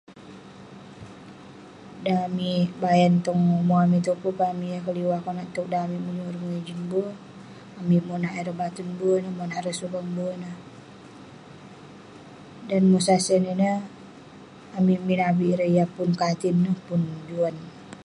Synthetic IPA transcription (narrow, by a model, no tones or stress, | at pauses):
damibajant̪ɔŋmoamit̪upupamijakəliwakɔnaʔt̪ɔk̚damimuɲuɾuŋɛd͡ʒinbo | amimonaʔɛɾəbat̪unbunəmonaɾəsupaŋbunə | danmosasəninə | amiminabiɾəjapunkat̪inːəhpund͡ʒuan